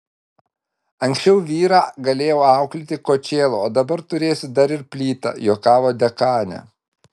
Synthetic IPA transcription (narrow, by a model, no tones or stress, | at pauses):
ɐŋksʲt͡ʃʲɛʊʋʲiːɾɑːɡɐlʲeːjɛʊɑˑʊklʲɪt̪ʲɪkoːt͡ʃʲeːlˠooːd̪ɐbɐɾt̪ʊɾʲeːsʲɪd̪ɐɾɪɾpʲlʲiːt̪ɑ̰joːkɑːʋoːd̪ʲɛkɑːnʲɛ̰